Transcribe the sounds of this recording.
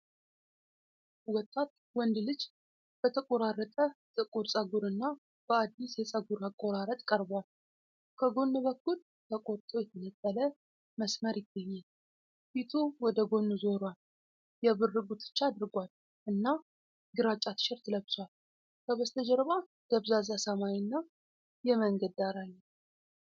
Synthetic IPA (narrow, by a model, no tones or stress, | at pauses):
wɔt̪ʼːat̪ | wɔnd̪lɨd͡ʒ | b̥ət̪ʰəkʼoɾaɾːət̪ʼət̪ʼɨkʼuɾsʼəɡuɾɨnːa | b̥əad̪ːisjɛsʼəɡuɾakʼːo̞ɾaɾət̪ʼkʼəɾbal | kʰəɡo̞nːɨβəkʰːul | t̪ʰəkʼoɾt̪ʼojɛt̪ʰənət̪ʼːələ | məsməɾjɪɡːəɲːal | fit̪ʰuwɔd̪əɡo̞nːuzo̞ɾwal | jɛβɨrːɨɡut̪ʰɨ̥t͡ʃːaːd̪ɨɾɡʷal | ʔɨnːa | ɡɨɾat͡ʃʼːat̪ʰɨ̥ʃɪɾt̪ʰləβswal | kʰəβəst̪ʰəd͡ʒɛɾβa | d̪̥əβzazasəmajnːa | jɛməŋɡəd̪aɾajːɛ